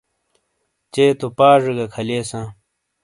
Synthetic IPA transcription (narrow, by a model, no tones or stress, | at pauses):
t͡ɕeːt̪opaːʐeɡɐkʰɐleːsãː